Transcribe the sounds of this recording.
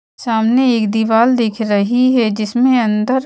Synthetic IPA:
saːmneeːkd̪iʋaːld̪eːkʰɾɐɦiɦɛd͡ʒɪsmẽɐ̃nd̪əɾ

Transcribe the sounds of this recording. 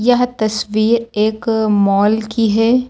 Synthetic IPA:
jɐɦt̪ɐsʋiːɾeːkmɔːlkiɦɛː

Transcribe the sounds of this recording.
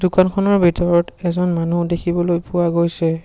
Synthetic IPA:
dʊkankʰɔnɔɹbʱitɔɹɔtɛzɔnmanudekʰibɔlojpʊwaɡojsɛ

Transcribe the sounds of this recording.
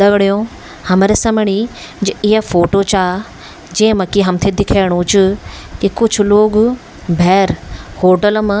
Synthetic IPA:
ɐɡɽijõ | hɐməɾesɐmɪɽ̃i | d͡ʑeɪɦəfoːʈot͡ɕaː | d͡ʑẽːmɐkiɦɐmt̪ʰed̪ɪkʰeːɽ̃ut͡ɕʊ | kikʊd͡ʑʱʊloːɡ | bʱɛːɾhoːʈəlm̃

